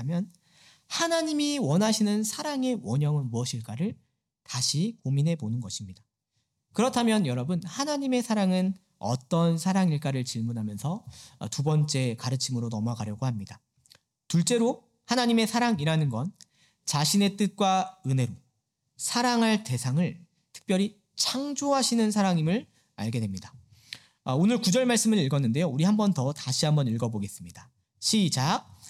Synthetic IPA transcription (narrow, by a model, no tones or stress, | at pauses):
mjʌn | hanaɲimiwʌnɦaɕʰinɯnsʰaɾaŋe̞wʌɲʌŋɯnmuʌɕʰiɭk͈aɾɯɭ | taɕʰikominɦe̞ponɯnɡʌɕʰimɲida | kɯɾʌtʰamjʌnjʌɾʌbɯnhanaɲime̞sʰaɾaŋɯn | ʌ̰t͈ʌnsʰaɾaŋiɭk͈aɾɯɭt͡ɕiɭmunɦamjʌnsʰʌ̰tubʌnt͡ɕ͈e̞kaɾɯt͡ɕʰimɯɾonʌmakaɾjʌɡohamɲida | tuɭt͡ɕ͈e̞ɾo | hanaɲime̞sʰaɾaŋiɾanɯnɡʌn | t͡ɕaɕʰine̞t͈ɯt̚k͈waɯnɦe̞ɾo | sʰaɾaŋɦaɭte̞sʰaŋɯɭ | tʰɯ̥k̚p͈jʌɾi | t͡ɕʰaŋd͡ʑoɦaɕʰinɯnsʰaɾaŋimɯɭ | a̰ɭɡe̞dwemɲida | ʌonɯɭkud͡ʑʌɭmaɭs͈ɯmɯɭiɭɡʌnːɯnde̞jouɾiɦambʌntʌtaɕʰiɦambʌniɭɡʌboɡe̞s͈ɯmɲida | ɕʰid͡ʑak̚